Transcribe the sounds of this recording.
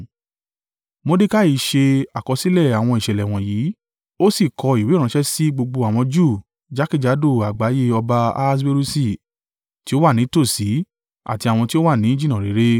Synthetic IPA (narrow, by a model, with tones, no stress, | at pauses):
mo˧˦de˦ka˦i˨˦ʃe˧a˨kɔ˨˧si˦lɛ˦˨a˨w̃ɔ̃˧i˨ʃɛ˨lɛ˨w̃ɔ̃˨ji˨˦ | o˦si˦˨kɔ˧i˨we˨˦ɾ̃ã˨˦ʃɛ˦si˦ɡ͡bo˧ɡ͡bo˧a˨w̃ɔ̃˧d͡ʒu˦˨ | d͡ʒa˦ki˦˨d͡ʒa˨˦do˦˨a˨ɡ͡ba˨˦je˦ɔ˧ba˧a̰˧s̬be˧ɾu˦si˦˨ | ti˨˦o˦wa˦˨nĩ˨˦to˦˨si˨˦ | a̰˦˨ti˧a˨w̃ɔ̃˧ti˦o˦wa˦˨nĩ˨˦d͡ʒi˦nã˦˨ɾe˨˦ɾe˦